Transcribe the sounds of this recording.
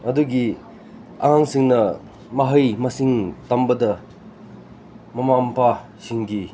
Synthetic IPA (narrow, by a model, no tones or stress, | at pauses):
ɐduɡi | a̰ŋaŋsiŋnɐ | mɐɦɐjmɐsiŋtambɐdɐ | mɐmampʰa | siŋɡi